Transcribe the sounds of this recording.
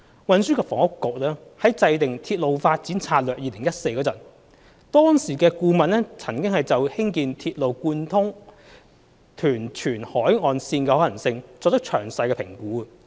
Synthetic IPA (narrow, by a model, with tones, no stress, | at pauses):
wɐ˨˧nsyː˥kɛː˧fɔː˨˩ŋʊ˥kːʊ˨k̚lɛː˥hɐ˨˥jt͡sɐ˧jt̪ɪ˨ŋt̪ʰiː˧t̚lo˨wfaː˧t̚t͡siː˨˥nt͡sʰaː˧t̚lœː˨k̚jiː˧lɪ˨˩ŋjɐ˥t̚se˧jkɔː˧t͡sɐ˨˩n | t̪ɔː˥ŋsiː˨˩kɛː˧kuː˧mɐ˨nɛ˥t͡sʰɐ˨˩ŋkɪ˥ŋhɐ˨jt͡sɐ˨whɪ˥ŋkiː˨˧nt̪ʰiː˧t̚lo˨wkuː˧nt̪ʰʊ˥ŋ | t̪ʰyː˨˩nt͡ʃʰyː˨˩nhɔː˨˥jŋɔː˨˧nsiː˧nkɛː˧hɔː˨˥jɐ˨˩nsɪ˧ŋt͡sɔː˨k̚t̪ɐ˥k̚t͡ʃʰœː˨˩ŋsɐ˧jkɛː˧pʰɪ˨˩ŋkuː˨˥˨